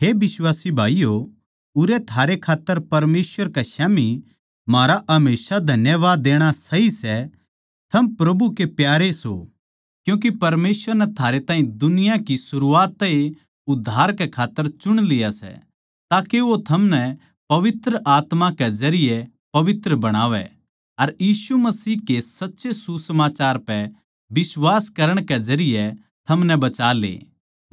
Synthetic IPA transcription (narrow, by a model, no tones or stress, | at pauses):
ɦeːbɪswaːsibʱaːijo | ʊɾɛt̪ʰaːɾekʰaːt̪ːəɾpɐɾmeːsʋəɾkaʃaːmi | maːɾaʔɐmeːsad̪ʱɐnjəʋaːd̪ːeːɽ̃asɐɦisɛ | t̪ʰɐmpɾɐbʱukepjaːɾeso̰ | kjũːk̬ipɐɾmeːsʋəɾnɛt̪ʰaːɾet̪ãːɦĩd̪ʊnɪjakisʊɾuaːt̪ːɐi | ʊd̪ʱːaːɾkɛkʰaːt̪ːəɾt͡ʃʊɽ̃lɪjasɛ̰ | t̪aːkeʋot̪ʰɐmnɛ | pɐʋɪt̪ɾəʔaːt̪mãkɛzɐɾɪjɛ | pɐʋɪt̪ɾəbɐɽ̃aːʋɛ̰ | ɐɾjiːsumɐsiːɦkesɐtːʃesusɐmaːt͡ʃaːɾpɛ | bɪswaːskɐɾəɽ̃ked͡ʒɐɾɪjɛ | t̪ʰɐmnɛbɐt͡ʃaːlḛː